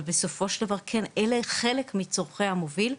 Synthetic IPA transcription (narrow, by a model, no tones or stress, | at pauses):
beso̞fo̞ʃeld̪avaʁkʰeneleχelekmit͡soʁχejhamovil